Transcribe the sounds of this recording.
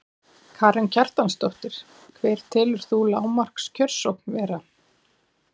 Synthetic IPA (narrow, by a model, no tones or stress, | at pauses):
kʰaːɾɛncʰar̥t̪anst̪ɔht̪ɪɾ̥ | kʰvɛːɾ̥t̪ʰɪːlʏɾ̥θulaːwmar̥kscʰœr̥sɔkn̥vɛːɾa